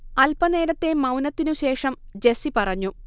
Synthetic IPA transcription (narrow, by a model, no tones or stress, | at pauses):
ɐlpɐne̞ːɾɐt̪ːe̞mɐwnɐt̪ːinuɕe̞ːʂɐmd͡ʑe̞sipɐrɐɲːu